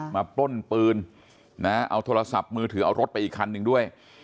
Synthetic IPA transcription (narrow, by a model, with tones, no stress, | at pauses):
maː˧plo˥˩npɯː˧n | na˦˥ʔa̰˧wt̪ʰoː˧ɾla˧sa˨˩p̚mɯː˧t̪ʰɯː˩˦ʔa̰˧wɾo˦˥t̪̚pa˧jʔiː˨˩kʰːa˧nːɯ˨˩ŋdu˥˩əj